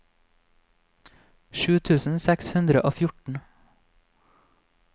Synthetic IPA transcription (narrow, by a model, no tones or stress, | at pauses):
ʃʉːt̪ʰʉːsn̩sɛkshʉnd̪ɾəʔoːfjʊʈɳ̩